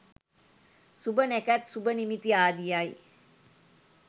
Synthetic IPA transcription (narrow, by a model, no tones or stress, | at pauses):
subənækæt̪subənimit̪iaːd̪ijaj